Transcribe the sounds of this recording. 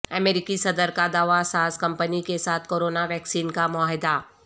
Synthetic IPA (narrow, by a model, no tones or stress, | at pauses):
əmeːɾɪkisɐd̪əɾkad̪aːʋasaːskɐ̃mpənikesaːt̪ʰkoːɾoːnaʋɛːksiːnkamʊaːɦɪd̪a